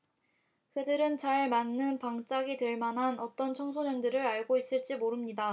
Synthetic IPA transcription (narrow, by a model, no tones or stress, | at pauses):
kɯdɯɾɯnt͡ɕaɭmanːɯnpaŋt͡ɕ͈aɡitweɭmanɦanʌt͈ʌnt͡ɕʰʌŋsʰoɲʌndɯɾɯɾaɭɡois͈ɯɭt͡ɕ͈imoɾɯmɲida